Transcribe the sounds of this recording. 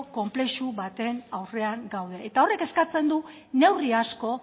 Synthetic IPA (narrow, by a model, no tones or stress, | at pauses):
ko̞mple̞ʃuβat̪e̞nawre̞aŋɡawð̞e̞ʔːt̪ao̞re̞ke̞skat͡se̞nd̪u | ne̞wriasko̞